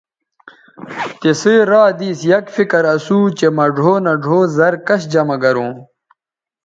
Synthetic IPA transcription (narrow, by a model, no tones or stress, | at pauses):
t̪eseɾaːd̪iːsjɐkfikɐɾɐsuːt͡ɕemɐɖʱoːnɐɖʱoːzɐɾkɐɕd͡ʑɐmɐɡɐɾõː